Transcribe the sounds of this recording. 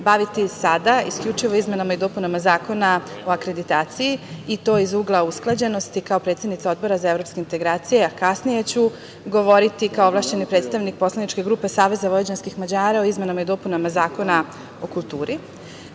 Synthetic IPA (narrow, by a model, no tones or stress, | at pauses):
baʋit̪isad̪aiskʎʲut͡ʃiʋo̞izme̞namaid̪o̞punamazaːko̞nao̞akɾe̞d̪it̪aːt̪sijiit̪o̞ːizuːɡlˠausklˠad͡ʑe̞no̞st̪ikao̞pɾe̞t̪sjed̪nit̪sao̞d̪̚bo̞ɾazae̞vɾo̞pskeint̪e̞ɡɾaːt̪sijeakasnije̞t͡ɕu | ɡo̞ʋo̞ɾit̪ikaoʋlˠaːʃt͡ɕe̞nipɾe̞t̪st̪aʋnik̚po̞slanit͡ʃke̞ɡɾuːpe̞saːʋe̞zaʋojed͡ʑanskixmad͡ʑaːɾao̞izme̞namaid̪o̞punamazaːko̞na | o̞kult̪uːɾʔi